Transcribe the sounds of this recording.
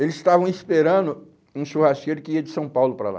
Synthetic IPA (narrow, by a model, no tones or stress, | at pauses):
elɪzɪ̥st̪avɐ̃w̃ispeɾɐ̃nd̪ʊ | ũʃuhaskejɾʊkɪiɐd͡ʒɪsɐ̃w̃pawlʊpɾa̰la̰